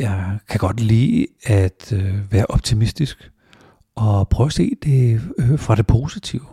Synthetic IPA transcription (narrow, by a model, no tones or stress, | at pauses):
jɑ̈ɪkʰæɡ̥ɒ̽d̥lḭːæd̥ʋæːɐʔɒ̽b̥̚t͡sʰimisd̥isɡ̥ | ʔɒ̽pʰʁœːʊæse̝̰ːd̥e̝fʁɑ̈ɾ̥e̝pʰo̝ːsit͡sʰiʊ̰